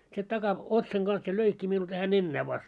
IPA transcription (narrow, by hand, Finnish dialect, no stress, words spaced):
se tɑkɑ otsɑŋ ɡ̊ɑns jɑ løikːi miul tæhæ nenːæː ʋɑst